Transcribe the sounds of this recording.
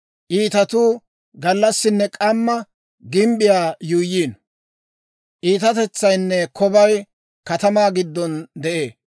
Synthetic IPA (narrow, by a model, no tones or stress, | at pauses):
ʔiːt̪ɐt̪uː | ɡɐlːɐsːɪnːɛkʼɐmːɐ | ɡɪmbɪjaːjuːjːiːn | ʔiːt̪ɐt̪ɛt͡sːɐjnːɛkʰɔbɐj | kɐt̪ɐmaːɡɪd̪ːɔnd̪ɛʔeː